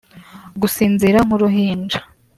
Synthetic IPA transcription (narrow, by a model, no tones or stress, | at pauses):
ɡusiːnziɾaŋ̥uɾuɦiːnd͡ʒḁ